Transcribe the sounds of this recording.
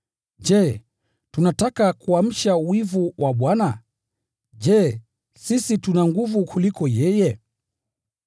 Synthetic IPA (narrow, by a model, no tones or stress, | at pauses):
d͡ʒɛ | tunatakakuam̩ʃawivuwʔaɓwana | d͡ʒɛ | sisitunaŋɡuvukulikɔjɛjɛ